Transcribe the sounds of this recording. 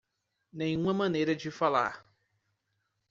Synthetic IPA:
nẽj̃ũmɐmɐ̃nejɾɐd͡ʒɪfala̰ɾ

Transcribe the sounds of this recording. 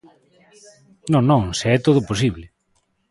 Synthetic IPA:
nõŋnõŋseɛt̪oð̞ʊposiβlɪ

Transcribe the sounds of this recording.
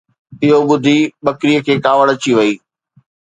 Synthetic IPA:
ɪɦoɓʊd̪ʱiɓɐkɾijəkʰeːkaːʋəɽ̃ət͡ɕiʋɐiː

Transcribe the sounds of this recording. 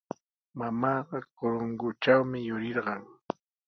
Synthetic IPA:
mamɑːɢɑkoɾoŋɡʊt͡ʃawmɪjʊɾɪɾɢɑŋ

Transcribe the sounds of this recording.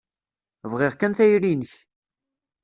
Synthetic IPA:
vʁɪʁkænθæjɾinəç

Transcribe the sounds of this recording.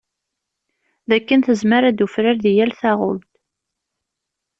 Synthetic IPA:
ðækːənθəzməɾæd̪ufɾaɾðijælθæʁʊ̰lt̪

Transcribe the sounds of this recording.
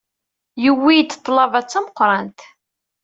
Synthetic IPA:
jəwːijt̪ːt̪ˤːlɑvæt͡sːæməqːɾˤɑnt̪

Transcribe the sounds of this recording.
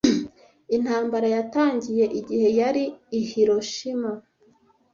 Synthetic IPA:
in̥haːmbaɾajataːɲɟije̞ʔiɟihe̞jaɾiːhiɾo̞ʃima

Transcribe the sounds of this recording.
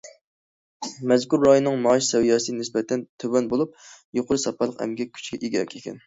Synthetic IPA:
mɛzkuɾːɑjonːɨŋmɑːʃsɛwijɑːsɨnɪsbɛt̪ʰɛnt̪ʰøwɛnbolˠup̚joqʰʊɾɨsɑpɑlˠəqɛ̰mɡʲɛkʲʰy̥t͡ʃɡʲɛʔiɡʲiɾɛ̰kʲekʲʰɛ̰n

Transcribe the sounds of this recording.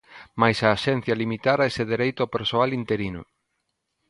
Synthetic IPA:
majsaːʃɛn̟θjɐlimit̪aɾaeseðeɾejt̪ʊapeɾsoalint̪eɾinʊ̰

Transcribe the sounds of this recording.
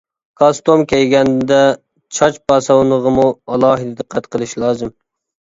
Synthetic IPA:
kʰɑst̪omkʲʰɛjɡʲɛnd̪ɛ | t͡ʃʰɑt͡ʃbɑsɑwnəʁəmuɑlˠɑːɦɪd̪d̪ɨqʰːæt̪qʰəlˠɨʃlˠɑːzɨm

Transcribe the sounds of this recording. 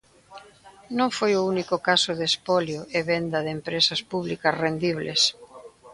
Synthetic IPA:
nõŋfojʊunikokasʊðespɔljoʔeβend̪ɐðempɾesɐspuβlikɐsrend̪iβ̞lḛs

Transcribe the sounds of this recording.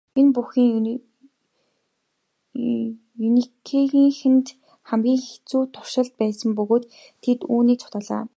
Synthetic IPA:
enpuxiːŋ | unikʰeɣiːŋxɘ̆nt̪ | χæmɡʲiːŋxet͡suːt̪ʰʊ̥r̥ʃə̆ɮt̪̚pæːsə̆mpɵɣoːt̪ʰː | et̪uːniːt͡sʰʊ̥t̪aːɮa̰ː

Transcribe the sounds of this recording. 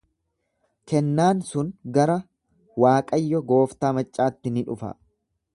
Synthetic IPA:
kɛnːaːnsʊnɡɐɾɐ | waːkʼɐjːɔɡo̞ːft̪aːmɐt͡ʃʼːaːt̪ːɪnɪᶑʊfɐ̰

